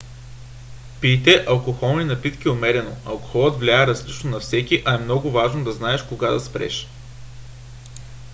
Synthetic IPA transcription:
pit̪ɛʔɐlˠkoxɔlˠninɐpit̪k̟iomɛɾɛno̰ɐlˠko̥xɔlˠət̪vlʲaɛɾɐzlit͡ʃnonɐfsɛkiʔɐɛmnɔɡʊvaʒnod̪ɐznaɛʃkoɡad̪ɐspɾɛ̰ʃ

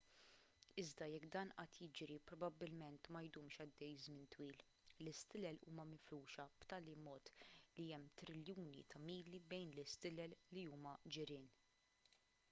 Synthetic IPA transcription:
ɪzd̪ɐjɛkːd̪ɐːnʔɐt̪jɪd͡ʒɾipɾɔbɐbːɪlmɛnt̪mɐjd̪uːmʃɐd̪ːɛjzmɪnt̪wiːl | lɪst̪ɪlɛlṵːmɐmɪfluːʃɐb̥t̪ɐːlimɔːt̪liɛmːt̪ɾɪljuːnḭt̪ɐmiːlibɛjnlɪst̪ɪlɛlːiuːmɐd͡ʒɪɾɪːn

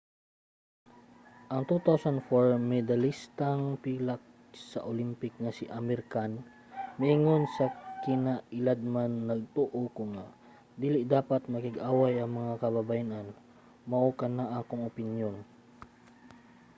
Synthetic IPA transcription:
ʔɐŋt̪ut̪awsand̪foɹmɛd̪ɐlist̪aŋpiːlak̚ | sɐ̰ʔolimpɪk̚nɐsiʔamɛɾkan | mɐʔɪŋonsɐkɪnaɪlad̪̚manːɐɡ̚t̪uʔokʊŋaʔ | d̪iːlɪʔd̪aːpɐt̪̚mɐkɪɡaːwajɐŋmɐŋakɐbɐbajanan | mɐʔokɐnaʔakoŋopɪnjon

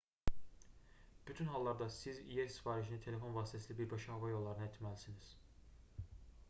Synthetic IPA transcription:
b̥yt̪ʰynɦɑlˠːɑɾd̪ɑsizijesi̥fɑːɾiʃinit̪ʰe̞le̞fo̞nvɑːst̪ʰæsilibiɾbɑʃɑhɑvɑjo̞lˠːɑɾɯnɑet̪ʰmælisiniz̥

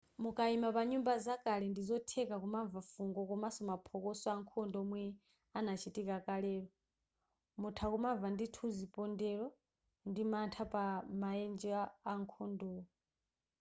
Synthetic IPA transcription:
mukʼaimapaɲumbazakʼalɛndizɔtʰɛkakumavafuŋɡɔkɔmasɔmapʰɔkɔsɔaŋkʰɔndɔmwɛ | anat͡ʃʰitʼikakʼalɛːɺɔ | mutʰakumavanditʰuzipʼɔndɛɺɔ | ndimantʰapʼamaɛnd͡ʒaːŋkʰɔndɔːɔ

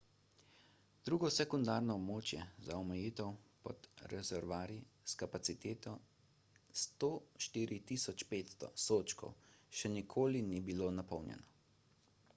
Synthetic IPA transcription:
d̪̥ɾuːɡɔsɛkund̪aːɾnɔːbmoːt͡ʃjɛzaɔmɛjiːt̪ɛwpɔd̪ɾɛzɛɾʋaːɾiskapat̪sit̪eːt̪ɔ | st̪oːʃt̪iːɾit̪isɔt͡ʃpeːt̪st̪ɔ̰soːt͡ʃkɔ̰wʃɛnikʰoːlinibiloːnapɔwnjɛ̰nɔ

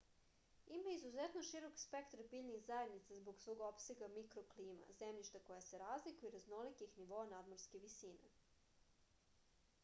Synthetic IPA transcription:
imaizuzet̪noʃiɾo̞kspekt̪ɾabiːʎʲnixzaed̪nit̪sazboɡsʋo̞ːɡo̞pseɡamikɾokliːma̰zemʎʲiʃt̪akojase̞ɾaːzlikuiɾaznolikixniʋoanad̪moɾske̞ʋisiːnḛ

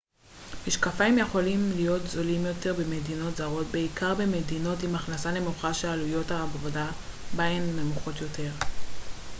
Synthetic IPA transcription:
miʃkafaimjeχo̞limlijo̞tzo̞limjo̞te̞ʁbeme̞dino̞tzaʁo̞tbeikaʁbemedino̞timaχnasale̞muχaʃealujo̞taːvvodabaenme̞muχo̞tjo̞te̞ʁ

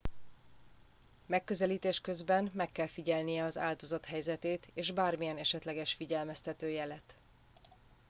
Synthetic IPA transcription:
mɛkːø̞zɛliːt̪eːʃkø̞zbɛnmɛkːɛlfiɟɛlnijɛɒza̰ːld̪o̞zɒt̪ɦɛjzɛt̪eːt̪eːʒbaːrmijɛnɛʃɛt̪lɛɡɛʃfiɟɛlmɛst̪ɛt̪øːjɛlɛt̪

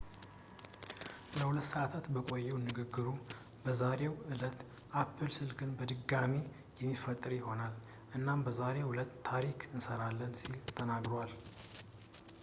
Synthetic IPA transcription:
ləhulət̪ːsəʔat̪ʰat̪bəkʼo̞jːɛwnːɨɡɨɡːɨɾu | bəzaɾewɨlət̪ | ʔapʰːɨlsɨlkʰɨnbəd̪ɨɡame | jɛmːifət̪ʼɨɾjɪho̞nal | ʔɨnːambəzaɾewʊlət̪ʰːaɾikʰɨnsəɾalːənsilt̪ʰənaɡɾowal

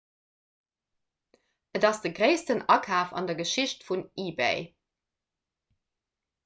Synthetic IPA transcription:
ədɑsd̥əɡʁeɪstənɑkʰaːfɑ̰ndɐɡəʃiɕtfuniːbḛɪ

